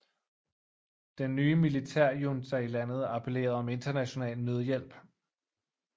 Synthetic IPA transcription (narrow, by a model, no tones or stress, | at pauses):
d̥enːyːəmilit͡sʰæɐ̰jondæilæn̰ð̞̩ˠɑ̈pʰele̝̰ːɐð̞̩ˠɒ̽me̝nd̥ɐnæɕo̝nɛ̰ːlnøð̞ˠjel̰b̥